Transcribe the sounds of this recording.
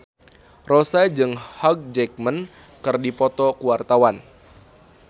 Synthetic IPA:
rosad͡ʒɨŋhak̚d͡ʒɛk̚mən | kɨrdipɔt̪ɔkuwart̪awan

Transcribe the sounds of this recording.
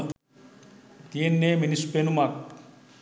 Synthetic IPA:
t̪ienːeminispenumak̚

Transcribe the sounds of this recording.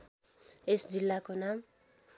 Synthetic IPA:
esd͡zilːakonam

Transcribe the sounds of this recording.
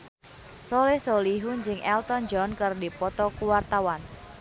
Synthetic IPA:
solehsoliɦund͡ʒɪŋɛlt̪ɔnd͡ʒɔnkɨrdipɔt̪ɔkuwart̪awan

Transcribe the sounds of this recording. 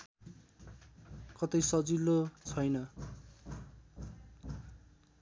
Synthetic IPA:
kʌt̪ʌjsʌd͡zilːot͡sʰʌjnʌ

